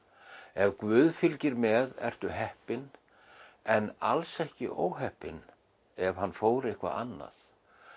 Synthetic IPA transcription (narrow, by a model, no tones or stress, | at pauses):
ɛvkvʏːðfɪlcɪɾmɛðɛ̰r̥t̪ʏɦɛhpɪn | ɛna̰lsɛhcɪ̰ʔoːwɦɛhpɪn | ɛvhanːfoːwɾɪhkva̰ʔanːa̰θ